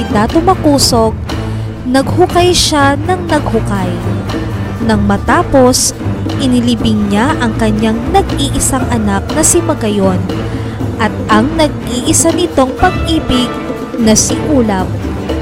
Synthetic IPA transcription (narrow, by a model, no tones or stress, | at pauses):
d̪at̪ʊmɐkuːso̞ɡ̚ | nɐɡ̚hʊkajʃanɐŋnɐɡ̚hʊkaj | nɐŋmɐt̪aːpo̞sʔɪnɪlibɪŋɲaʔɐŋkɐɲaŋnɐɡʔiʔɪsaŋʔɐnak̚nɐsɪmɐɡɐjo̞n | ʔɐt̪̚ɐŋnɐɡ̚ʔiʔɪsanɪt̪o̞ŋpɐɡʔiːbɪɡ̚ | nɐsɪʔuːlɐp̚